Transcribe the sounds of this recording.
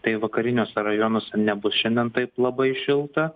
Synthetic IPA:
t̪ɐɪʋɐkɐɾʲɪnʲoːsʲɛɾɐjoːnoːsʲɛnʲɛbʊsʃʲɛnʲd̪ʲɛnt̪ɐɪplˠɐbɐɪʃʲɪlˠt̪ɐ

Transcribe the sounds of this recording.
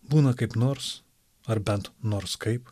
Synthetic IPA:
buːnɐkɐɪpnoːɾs | ɐɾbʲɛnt̪noːɾskɐɪp

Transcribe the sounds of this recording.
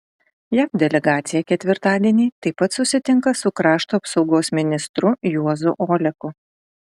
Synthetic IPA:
jæːpd̪ʲɛlʲɛɡɑːt̪sʲɪjɛkʲɛt̪ʲʋʲɪɾt̪ɑːd̪ʲiɛnʲiːt̪ɐɪpɐt̪sʊsʲɪt̪ʲɪŋkɐsʊkɾɑːʃt̪oɐpsɒʊɡoːsmʲɪnʲɪst̪ɾʊjuɔzʊʔoːlʲɛkʊ

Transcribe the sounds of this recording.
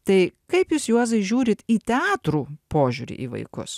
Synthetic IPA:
t̪ɐɪkɐɪpjuːsjuɔzɐɪʒʲuːɾʲɪt̪iːt̪ʲɛɑːt̪ɾuːpoːʒʲuːɾʲḭːʔḭːʋɐ̰ɪkʊ̰s

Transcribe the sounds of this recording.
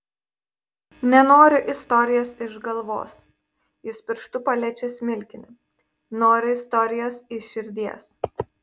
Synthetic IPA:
nʲɛnoːɾʲɪʔɪst̪ɔɾʲɪjoːsɪʒɡɐlˠʋo̰ːs | jɪspʲɪɾʃt̪ʊpɐlʲɛt͡ʃʲɛsmʲɪlʲkʲɪnʲɪ | noːɾʲɪɪst̪ɔɾʲɪjoːsɪʃʲɪɾʲd̪ʲiɛs

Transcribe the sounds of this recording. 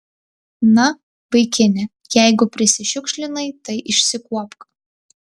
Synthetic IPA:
nɐ | ʋɐɪkʲɪnʲɪ | jɛɪɡʊpʲɾʲɪsʲɪʃʲʊkʃʲlʲɪnɐɪt̪ɐɪʔɪʃʲsʲɪkuɔpkɐ

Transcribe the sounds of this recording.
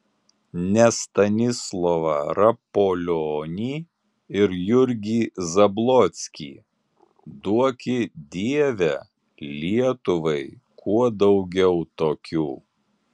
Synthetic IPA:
nʲɛst̪ɐnʲɪslˠɔʋɐ̰ɾɐpolʲoːnʲiː | ɪɾjʊɾʲɡʲiːzɐblˠɔt̪sʲkʲḭː | d̪uɔkʲɪd̪ʲiɛʋʲɛ | lʲiɛt̪ʊʋɐɪkʰuɔd̪ɒʊɡʲɛʊt̪oːkʲuː

